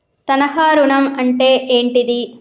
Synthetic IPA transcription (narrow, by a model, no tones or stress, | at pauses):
t̪ɐnɐɦaːɾuɳɐmɐɳʈeːʔeːɳʈid̪i